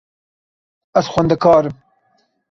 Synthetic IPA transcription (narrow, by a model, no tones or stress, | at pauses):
ɐsxwɐnd̪ɐkɑːɾɨm